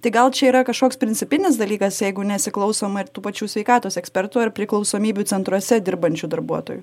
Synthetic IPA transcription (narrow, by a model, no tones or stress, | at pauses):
t̪ɐɪɡɐlˠt͡ʃʲɛiːɾɐkɐʃkoːkspʲɾʲɪnʲt͡sʲsʲɪpʲɪnʲɪs̬d̪ɐlʲiːkɐsjɛɪɡʊnʲɛsʲɪklˠɒʊsoːmɐt̪uːpɐt͡ʃʲuːsʲʋʲɛɪkɑːt̪oːsɛksʲpʲɛɾt̪ʊɐrpʲɾʲɪklˠɒʊsoːmʲiːbʲut͡s̪ʲɛnt̪ɾuɔsʲɛd̪ʲɪɾbɐnʲt͡ʃʲuːd̪ɐɾbuɔt̪o̰ːju